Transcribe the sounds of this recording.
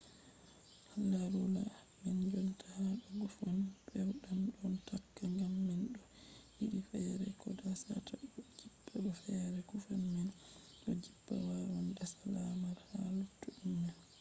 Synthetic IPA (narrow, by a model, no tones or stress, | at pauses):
hlaɾula̰ | mɛnd͡ʒɔntʰahaɗɔɡufanbɛwɗanɗɔntakːaŋɡamːɛnɗɔ | hiɗifɛɾɛkɔdasa̰tʰaɔd͡ʒibːaɓɔfɛɾɛɡufanmɛn | ɗɔd͡ʒibːa̰wawandasalamaɾhalutːuʔumːɛn